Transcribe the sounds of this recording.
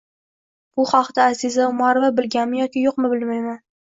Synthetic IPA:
b̥ʊχɒqd̪aːzɪzaʊmaɾɪvabɪlɡʲanmɪjɒkʲɪjoqmɪbɪlmajman

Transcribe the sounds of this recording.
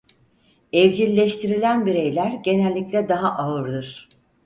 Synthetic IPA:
ɛvd͡ʒilʲːeʃt̪ʰiɾilʲænbiɾe̞jlʲæɾɟe̞nælʲːiclʲɛd̪aɦaʔaɯɾd̪ɯɾ̝̥

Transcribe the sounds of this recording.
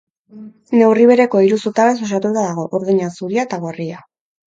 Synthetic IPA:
ne̞wriβ̞e̞ɾe̞ko̞iɾusut̪aɾes̬oʃ̬at̪ut̪aðaɣ̞o̞ʔoɾðuɲasuɾiat̪aɣoria

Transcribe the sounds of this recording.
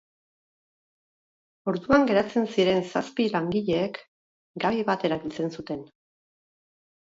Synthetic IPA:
o̞ɾðuaŋɡe̞ɾat͡se̞nsiɾe̞nsaspilaŋɡiʎe̞ːk | ɡaβiβat̪e̞ɾaβilt͡se̞nsut̪e̞n

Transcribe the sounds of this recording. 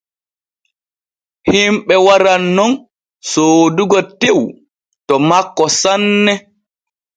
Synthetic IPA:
himɓɛwaɾanːɔn | soːduɡɔtew | tɔmakːɔsanːɛ

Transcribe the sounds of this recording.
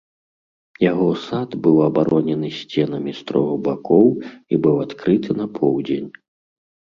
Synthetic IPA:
jaɣɔsad̪bɨwɐbaɾɔnʲɛnɨsʲt͡sʲɛnɐmʲist̪ɾɔɣubakɔwibɨwat̪kɾɨt̪ʰɨnɐpʰɔwd͡zʲenʲ

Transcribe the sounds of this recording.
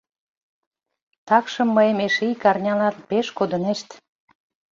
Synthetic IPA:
t̪ɑkʃə̆mːəemeʃijkɑrnʲɑlɑt̪̚peʃkod̪əneʃt̪

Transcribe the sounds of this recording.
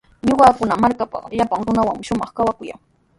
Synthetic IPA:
ɲʊɢɑːkʊnamaɾkapɑ̰ʎapaŋɾʊnawaŋɪʃʊmɑχkawakʊja̰ŋ

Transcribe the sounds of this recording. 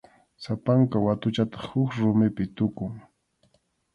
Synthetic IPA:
sapaŋkawat̪ʊt͡ʃat̪ɑ̥χhʊkɾʊmɪpɪt̪ʊkʊŋ

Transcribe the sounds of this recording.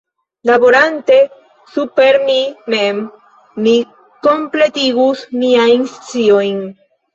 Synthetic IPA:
labo̞ɾante̞ | supe̞ɾmime̞mː | i | ko̞mple̞tiɡusmiajnst͡sio̞jn

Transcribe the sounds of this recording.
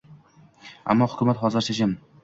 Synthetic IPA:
a̰mːɒhʊ̥kʰʲʊmat̪χɒzɪɾʃʰad͡ʒɪm

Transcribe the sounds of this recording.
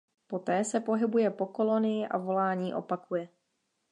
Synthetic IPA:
po̞t̪ɛːsɛpo̞ɦɪbujɛpo̞ko̞lo̞nɪjɪʔa̰vo̞laːɲiːʔo̞̰pakujɛ

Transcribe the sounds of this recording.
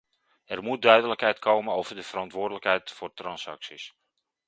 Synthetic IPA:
ɛrmut̚dœɥdələkɦɛjtkʰowmənowvərdəvərɑntʋʊːrdələkɦɛjtfʊːrtrɑnsɑ̰ksis

